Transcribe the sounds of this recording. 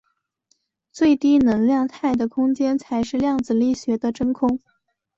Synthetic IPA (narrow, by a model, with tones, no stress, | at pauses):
t͡swe˥˩ɪt̪i˥nɤ˧˥ŋljɑ˥˧ŋt̪ʰa˥˩ɪd̪ə˩kʰʊ˥ŋt͡ɕjɛ˥nt͡sʰa˧˥ɪʂɻ̩˥˧ljɑ˥˩ŋd͡zɹ̩˨˩li˥˩ɕɥɛ˧˥d̪ə˧ʈ͡ʂɤ˥ŋkʰʊ˥ŋ